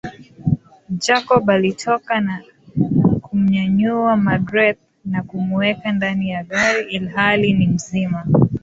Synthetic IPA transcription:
d͡ʒakɔɓalitʰɔkana | kum̩ɲaɲuamadɾɛt̚ | nakumuwɛkandanijaɠaɾiilhalinim̩zima

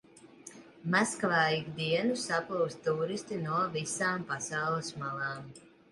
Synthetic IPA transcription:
maskvaːjiɡd̪iɛnusaplˠuwst̪t̪uːɾist̪inuɔvisaːmpasawlˠɨsmalˠaːm

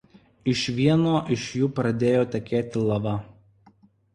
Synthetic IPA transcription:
ɪʃʋʲiɛnoːʔɪʃjuːpɾɐd̪ʲeːjoːt̪ʲɛkʲeːt̪ʲɪlˠɐʋɐ

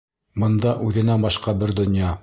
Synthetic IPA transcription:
bɤ̆nd̪ɑʔʉðɘ̆næbɑʃqɑbɘɾd̪ŏnjɑ

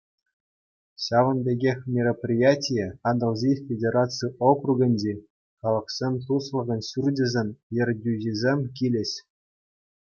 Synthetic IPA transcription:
ɕɑʋɤ̆nbʲeɡʲexʲmʲeroprʲijatʲijɘɑnɤ̆lˠzʲifʲedʲeɾat͡sɨjokruɡʲɘ̆nʲd͡ʑe | χɑlˠɤ̆qsʲemʲt̪uslˠɤ̆ʁʲɤ̆nɕurdʲɘ̆zʲemʲjɘ̆rʲdʲyʑizʲemʲkʲilʲĕɕʲ

